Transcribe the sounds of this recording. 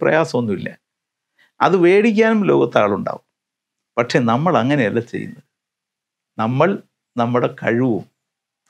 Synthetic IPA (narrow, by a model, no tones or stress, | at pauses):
prɐ̰jaːsɐmonːuilːɐ̰ | ɐ̰ðɨʋeːɽikʲːaːnumlo̞ːɡɐt̪ːaːɭuɳɖa̰ːʋum | pɐʈʂe̞nɐmːɐɭɐŋːɐnejɐlːat͡ɕḛjṵnːɐðɨ | nɐmːɐɭ | nɐmːuɽe̞kɐɻiʋum